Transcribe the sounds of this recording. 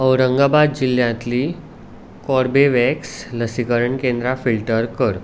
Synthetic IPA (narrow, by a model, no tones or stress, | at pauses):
əwɾəŋɡabad̪d͡ʑiljãt̪liː | kɔɾbeʋɛksləsikəɾəɳkẽnd̪ɾafilʈəɾkəɾ